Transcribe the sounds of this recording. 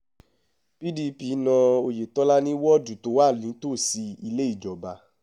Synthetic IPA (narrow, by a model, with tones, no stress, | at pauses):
pi˦di˦pi˨˦nã˧o˧je˨tɔ˦la˦nĩ˦wɔ˦˨du˨to˨˦wa˦˨lĩ˨˦to˦˨si˧i˧le˦i˦˨d͡ʒɔ˨ba˧˦